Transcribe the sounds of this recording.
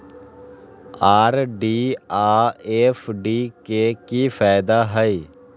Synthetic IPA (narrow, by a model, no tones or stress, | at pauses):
aːɾɖiːaːeːfɖiːkeːkiːfaːɪd̪aːɦəiː